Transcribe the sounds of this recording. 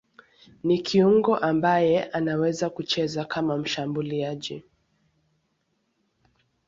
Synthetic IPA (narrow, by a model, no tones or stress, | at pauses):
nikʰiuŋɡɔʔambajɛʔanawɛzakut͡ʃɛzakʰamam̩ʃambuliaʄi